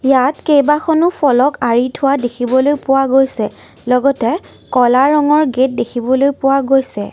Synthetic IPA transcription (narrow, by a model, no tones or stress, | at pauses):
jatkejbakʰɔnʊpʰɔlɔkaɹitʰʊwadekʰibɔlojpʊwaɡojsɛ | lɔɡɔtɛ | kɔlaɹɔŋɔɹɡet̚dekʰibɔlojpʊwaɡojsɛ